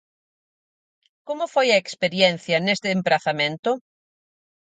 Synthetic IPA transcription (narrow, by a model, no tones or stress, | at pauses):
komʊfojɐekspeɾjɛn̟θjɐnest̪ɪːmpɾaθamẽnt̪ʊ